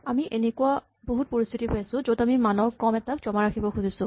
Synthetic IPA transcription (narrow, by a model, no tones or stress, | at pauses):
amiʔenekua | boɦut̚poɹist̪ʰitiɦojasʊ̃zotamimanɔɹkɔmɛtak̚zɔmaɹaxʰibɔxuzisʊ̃